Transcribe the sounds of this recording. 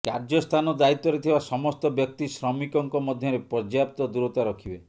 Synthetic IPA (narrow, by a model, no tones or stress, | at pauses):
kaɾd͡ʒɔst̪ʰanɔd̪ait̪ːɔɾet̪ʰibasɔmɔst̪ɔbjɔk̚t̪isɾɔmikɔŋkɔmɔd̪ʱjɔɾepɾɔd͡ʒjap̚t̪ɔd̪uɾɔt̪aɾɔkʰibe